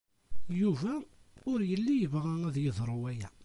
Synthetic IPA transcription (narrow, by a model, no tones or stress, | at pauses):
juvæʊɾjəlːijəvʁææðjəðˤɾˤʊwæjæ